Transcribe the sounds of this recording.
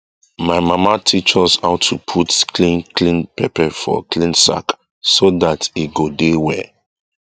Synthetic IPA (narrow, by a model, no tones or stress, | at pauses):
maɪmamatʰit͡ʃɔsaʊtʰːupʰutklĩnklĩnpɛpʰɛfɔ̰kʰlĩnsa̰k | soðatiɡodewɛ